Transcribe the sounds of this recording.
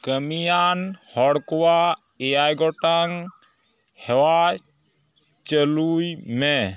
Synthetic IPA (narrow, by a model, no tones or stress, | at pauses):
kəmijanhɔɽkuwa | eaːjɡɔʈaŋ | hewa | t͡ʃəlume